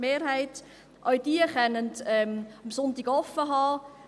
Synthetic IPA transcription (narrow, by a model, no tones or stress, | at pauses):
meːɾɦæɪt | ʔœɥd̥iəχɛnəntɛmɑmsʊntɪɡ̥ɔfːəɦɑː